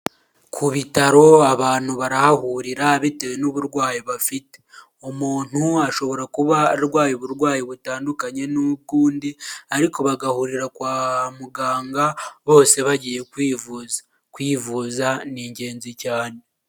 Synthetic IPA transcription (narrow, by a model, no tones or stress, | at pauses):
kʰuβitaɾo̞aβaːn̥huβaɾahahuɾiɾaβitewenoβuɾɡwaːjiβafite̥ | omuːn̥huaʃo̞βo̞ɾakuβaɾwaːjiβuɾɡwaːjiβutaːndukaɲe̞nuɡuːndiaɾiko̞βaɡahuɾiɾakwaːhamuɡaːŋɡaβo̞ːse̞βaɟije̞kwivuz | kwiːvuːzaniːɲɟe̞ːnzicaːne